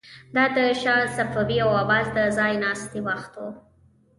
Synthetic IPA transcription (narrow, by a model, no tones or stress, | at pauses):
d̪ɑd̪əʃɑlsafabiawabɑzd̪əzɑjnɑst̪ewaxt̪wo